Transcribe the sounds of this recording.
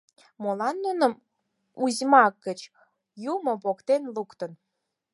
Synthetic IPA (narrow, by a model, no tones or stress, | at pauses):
molɑnːunəm | uzʲmɑkːət͡ɕ | jumopokt̪enlukt̪ə̆n